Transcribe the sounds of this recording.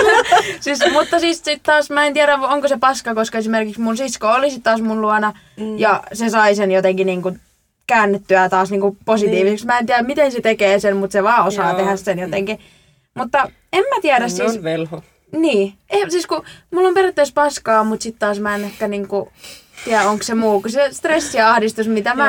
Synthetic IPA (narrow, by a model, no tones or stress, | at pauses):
sismut̪ːɑsiːssit̪t̪ɑːsmæent̪iæɾæoŋkosepɑskɑkoskɑesimerkiksmunsiskoolisit̪t̪ɑːsmunluɑnɑ | jɑsesɑisenjot̪eŋkiniːŋku | kæːnːet̪ːyæt̪ɑːsniːŋkuposit̪iːʋiseksmæent̪iæɾæmmit̪enset̪ekeːsemmut̪seʋɑːosɑːt̪ehæssenjot̪eŋki | mut̪ːɑ | emmæt̪iæɾæssiːsʋelho | niːesiːskumulːomperæt̪ːeispɑskɑːmut̪sit̪t̪ɑːsmæenehkæniːŋkut̪iæoŋkssemuːkusest̪resːiɑhdist̪usmit̪æmæ